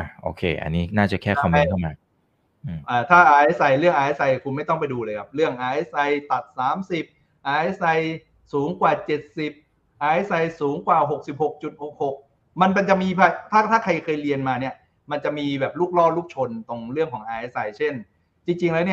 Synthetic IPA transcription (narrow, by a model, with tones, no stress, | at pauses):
ʔa˧˩ʔo̰˧kʰḛː˧ʔa̰˧nːiː˦˥naː˥˩t͡ɕa˨˩kʰɛː˥˩kʰa˧m˧˥˩t̪ʰa˥˩˨ma˧ | ʔɯː˨˧˩ʔaː˨˩t̪ʰaː˥˩ʔaː˧ʔe˦˥sʔa˧jɾɯ˥˩əŋʔaː˧ʔe˦˥sa˧jkʰu˧nma˥˩jt̪ɔ˥˩pa˧jduː˧lɤː˧kʰa˦˩p̚ɾɯ˥˩əŋʔaː˧ʔe˦˥sa˧jt̪a˨˩t̪̚saː˩˦msi˨˩p̚ | ʔaː˧ʔe˥sa˧j | suː˩˦ŋkwaː˨˩t͡ɕe˨˩t̪̚si˨˩p̚ | ʔaː˧ʔe˦˥sa˧jsuː˩˦ŋkwaː˨˩ɦo˨˩k̚si˨˩p̚ho˨˩k̚t͡ɕu˨˩t̪̚ho˨˩k̚ho˨˩k̚ | ma˧npa˧nt͡ɕa˨˩ʔmiː˧pʰa˧t̪ʰaː˥˩t̪ʰaː˥˩kʰa˧jkʰɤː˧jɾi˧ənmaː˧ni˥˩ɐ | ma˧nt͡ɕa˨˩miː˧bɛː˨˩p̚luː˥˩k̚lɔː˥˩luː˥˩p̚t͡ɕʰo˧nt̪o˧ŋɾɯ˥˩əŋkʰɔː˩˦ŋʔaː˧ʔe˦˥sa˧jt͡ɕʰe˥˩n | t͡ɕi˧ŋt͡ɕi˧ŋlɛː˦˥wni˥˩